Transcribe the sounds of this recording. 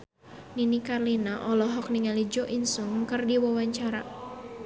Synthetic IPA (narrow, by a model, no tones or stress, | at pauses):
ninikarlinaʔɔlɔɦɔk̚niŋalid͡ʒɔʔinsuŋkɨrdiwawaɲt͡ʃaɾa̰